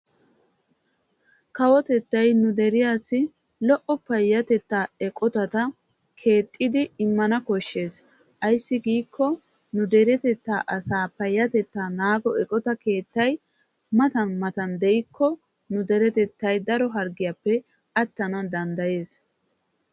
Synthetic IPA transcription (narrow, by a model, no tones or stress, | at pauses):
kɐwɔt̪ɛt̪ːɐjnʊd̪ɛɾɪjaːsɪ | lɔʔɔpɐjːɐt̪ɛt̪ːaːɛkʼɔt̪ɐt̪ɐ | kʰe̞ːt̪ʼːɪd̪ɪɪmːɐnɐkɔʃːe̞ːs | ʔɐjsːɪɡiːkʰːɔ | nʊd̪ɛɾɛt̪ɛt̪ːaːʔɐsaːpɐjːɐt̪ɛt̪ːaːnaːɡɔɛkʼɔt̪ɐke̞ːt̪ːɐj | mɐt̪ɐnmɐt̪ɐnd̪ɛʔɪkʰːɔ | nʊd̪ɛɾɛt̪ɛt̪ːɐjd̪ɐɾɔɦɐɾɡɪjapːɛ | ʔɐt̪ːɐnɐd̪ɐnd̪ɐje̞ːs